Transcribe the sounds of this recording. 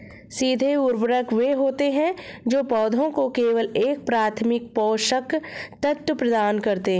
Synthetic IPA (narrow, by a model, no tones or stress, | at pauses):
siːd̪ʱeʊɾbɾəkʋeɦoːt̪eɦɛ̃d͡ʒoːpɔːd̪ʱõkokeːʋəleːk̚pɾaːt̪ʰmɪk̚pɔːʃəkt̪ət̪ːpɾɐd̪aːnkɐɾt̪eɦɛ̃